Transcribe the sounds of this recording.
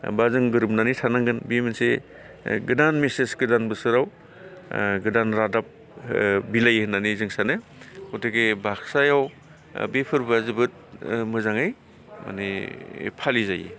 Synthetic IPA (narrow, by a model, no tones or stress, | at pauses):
bazɯŋɡɯɾɯp̚nanitʰanaŋɡɯnbiminse | ɡɯdanmesesɡɯdanbɯsɯɾaw | ɡɯdanɾadap̚ | bilajhɯnːanizɯŋsanɯhutɯɡebaksajaw | bepʰɯɾbazɯbɯt̚mɯzaŋɯj | ma̰nepʰalizajḭ